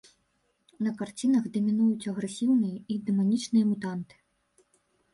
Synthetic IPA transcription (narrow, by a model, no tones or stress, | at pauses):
nɐkart͡sʲin̪ɐɣd̪ɐmʲinujut͡sʲɐɣɾɛsʲiwnɨjɐid̪ɛmanʲit͡ʂnɨjɐmut̪ant̪ɨ̥